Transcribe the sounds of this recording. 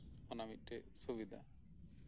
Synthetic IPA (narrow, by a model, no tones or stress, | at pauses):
ɔnamit̪̚ˀʈɛ | subid̪ʱa̰